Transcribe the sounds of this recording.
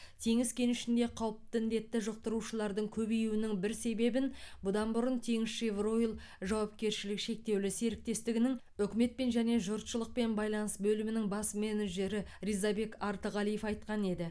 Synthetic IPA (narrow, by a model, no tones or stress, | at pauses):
t̪ʰe̞ŋɪskʲe̞nʏʃɪnd̪e̞qʰɑwəp̚t̪əɪnd̪e̞t̪ːɪʒəq̚t̪əɾuʃəlˠɑɾd̪əɴkʲʰɵbejuwɪnɪŋbɪɾse̞be̞bɪnbʊd̪ɑnbʊɾʊnt̪ʰe̞ŋɪsʃevro̞jlˠ | ʒɑwɑpkʲe̞ɾʃɪlɪkʃe̞k̚t̪e̞wlɪse̞ɾɪk̚t̪e̞st̪ɪɡʲɪnɪŋ | ʏkʲɪme̞t̪̚pe̞nʒæne̞ʒʊɾt̪ʃəlˠəq̚pe̞nbɑjlˠɑnəsbɵlɪmɪnɪŋbɑsmeneʒe̞ɾɪɾijzɑbe̞kɑɾt̪əʁɑlˠije̞fɑjt̪qɑne̞d̪ɪ